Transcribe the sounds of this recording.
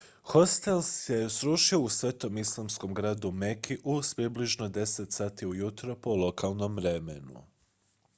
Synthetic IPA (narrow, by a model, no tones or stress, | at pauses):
xost̪elsje̞sɾuːʃio̞usʋe̞ːt̪o̞mislˠamsko̞mɡɾaːd̪umekʰiʔuspɾibliʒno̞d̪e̞set̪saːt̪iujut̪ɾopo̞lˠo̞kʰalˠno̞mʋɾemenṵ